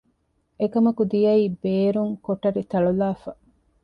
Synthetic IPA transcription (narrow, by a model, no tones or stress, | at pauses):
ekɐmɐkud̪ijɐiːbeːɾuŋkoʈɐɾit̪ɐɭulaːfɐ